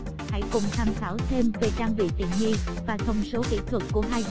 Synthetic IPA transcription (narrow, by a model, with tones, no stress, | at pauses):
ha̰˧˥jkʊ˨˩ŋ͡mt̪ʰaː˧mt̪aː˧˩wt̪ʰe˧mve˨˩ɗaː˧ŋvḭ˧˨t̪ḭ˧˨nŋi˧vaː˨˩t̪ʰə˧˩wŋ͡mso˨˦kḭ˧˥t̪ʰwə˨˩k̚kːu˧˩əɦaː˧j